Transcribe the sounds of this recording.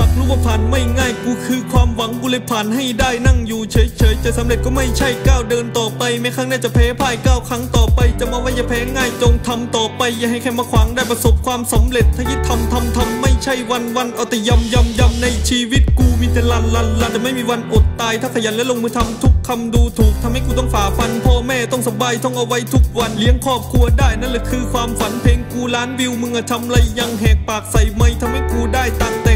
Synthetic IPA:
aː˨˩k̚ɾuː˦˧˥pːa˧pʰaː˨˩nma˥˩jŋaː˥˩jkuː˧˩kʰɯː˧kʰwaː˧mwa˨˦ŋkuː˧le˧˩pʰaː˨˩nha˥˩jdaː˥˩jna˧˥˩ŋjuː˨˩t͡ɕʰɤː˨˦jt͡ɕʰɤː˨˦jt͡ɕa˨˧˩sa˨˦mle˨˩t̪̚kɔː˥˩ma˥˩jt͡ɕʰa˥˩jkaː˥˩wdɤː˧nt̪ɔː˨˩pa˧jma˧˥˩kʰaː˥˩ŋnaː˥˩t͡ɕa˨˩pʰɛː˨˧˥pʰaː˧˩jkaː˧˥˩wkʰa˦˥ŋt̪ɔː˨˩pa˧jt͡ɕa˨˩mɔː˧˥waː˧˥˩jaː˧˩pʰɛː˧˥ŋaː˥˩jt͡ɕo˧ŋt̪ʰa˧mt̪ɔː˨˩pa˧jːaː˨˩ɦa˥˩jkʰɛː˧˩maː˧kʰwaː˨˦ŋdaː˥˩jpɾa˧so˨˦p̚kʰwaː˧msa˨˦mle˨˩t̪ʰːaː˧˥ki˦˥t̪ʰːa˧mt̪ʰa˧mt̪ʰa˧mːa˥˩jt͡ɕʰa˥˩jwa˧nwa˧nʔa˨˩t̪ɛ˧˩ja˧mja˧mja˧mna˧jt͡ɕʰiː˧wi˦˥˩t̪̚kuː˧miː˧t̪ɛ˨˧la˧˩nla˧˩nla˧˩ɛ˨˩ma˥˩jmiː˧wa˧nʔo˨˩t̪ːaː˧jt̪ʰaː˥˩kʰa˧˩ja˨˦nlɛː˦˧˥lo˧ŋmɯː˧t̪ʰa˧mt̪ʰu˦˥kʰːa˧mduː˧t̪ʰuː˨˩k̚t̪ʰa˧mha˥˩jkuː˧ɔ˥˩ŋfaː˨˩˦fa˧npʰɔː˧˩mɛː˥˩t̪ɔ˥˩ŋsa˧˦baː˧jt̪ɔ˥˩ŋʔa˧wa˦˥jt̪ʰu˦˥k̚wa˧nli˨˦əŋkʰɔː˥˩p̚kʰu˧ədaː˥˩jna˥˩nlɛ˧˩kʰɯː˧kʰwaː˧mfa˨˦npʰeː˧ŋkuː˧laː˦˥nwi˧wmɯ˧ŋʔa˧˩t̪ʰa˧mla˧jːa˧ŋɦɛː˨˩ŋ̚paː˨˩k̚sa˨˩jma˧jt̪ʰa˧mha˥˩jkuː˧daː˥˩jt̪aː˨˩ŋt̪ɛː˨˩

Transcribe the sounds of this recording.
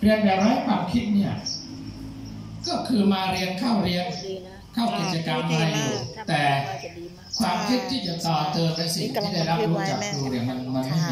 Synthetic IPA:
ɾi˧ənbɛː˨˩t̪̚ɾɔː˦˥jkʰwaː˧mkʰi˦˥t̪̚ni˥˩ɐ | kɔː˥˩kʰɯː˧maː˧ɾi˧ənkʰa˥˩wɾi˧ən | kʰa˥˩wki˨˩t̪̚t͡ɕa˧kaː˧mʔa˧ɾa˧jːuː˨˩t̪ɛː˨˩ | kʰwaː˧mkʰi˦˥t̪̚t̪ʰːiː˥˩t͡ɕa˨˩t̪ɔː˨˩t̪ɤː˧npa˧jsi˨˩ŋt̪ʰiː˥˩da˥˩jɾa˦˥p̚ɾuː˦˥t͡ɕa˨˩k̚ɾuː˧ɾi˧˩ənma˧nma˧nma˥˩˧

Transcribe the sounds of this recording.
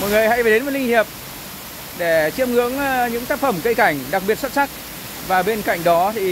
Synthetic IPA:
mɔ̰˨jŋɨ˨˩əjha˧˥jva˨˩ɗe˨˦nvəː˨˩lï˧ŋ̟hi˨˩əp̚ | ɗe˧˩t͡ɕi˧əmŋɨ˧˥əŋ˧ɲɨ̰˧˥ŋt̪aː˦˥k̚fə˧˩mkə˧jka˧˩jŋ̟ɗa˨˩k̚ɓi˨˩ət̚swt̚sa˦˥k̚ | vaː˨˩ɓe˧nka̰˧˨jŋ̟ɗɔ˨˦t̪ʰi˨˩

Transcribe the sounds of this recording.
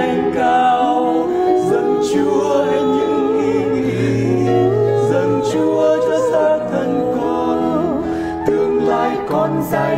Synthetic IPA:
ŋkaː˧ | w | zə˧˩nt͡ɕu˧˩əa˧ɲɨ̰˧˥ŋʔi˧wi˧˩ | zə˨˩nt͡ɕu˧˩əzə˧˦saː˧˥t̪ʰə˧nkɔ˧ | t̪ɨ˨˩əŋla̰ː˧˨jkɔ˨˧˩nza˧˩

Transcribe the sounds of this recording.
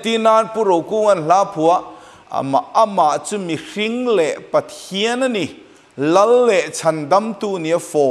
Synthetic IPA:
t̪i˦naː˧npu˦˨ɾo˨wku˦ŋɐ˨nɬaː˦pʰu˨a˦ʔ | ma̰˨ʔɐ˦ma˨ʔt͡su˦mi˨ri˦ŋlɛ˨ʔpɐ˨t̪ʰi˦ə˦nɐ˦ni˨ | lɐ˦lːɛ˨ʔt͡sʰɐ˨nd̪ɐ˦mt̪uː˧˨ni˨ɐ˦fɔ˨

